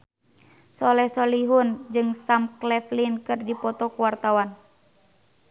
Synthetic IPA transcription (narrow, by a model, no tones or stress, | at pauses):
sɔlɛsɔliɦund͡ʒɨŋsamklɛflinkɨrdipɔt̪ɔkuwart̪awan